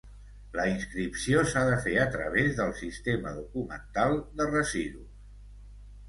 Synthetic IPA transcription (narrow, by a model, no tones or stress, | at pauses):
ləinskɾipsiosaðəfeət̪ɾə̰β̞ezðəlˠsist̪eməðukumə̰nt̪alˠd̪ərəziðu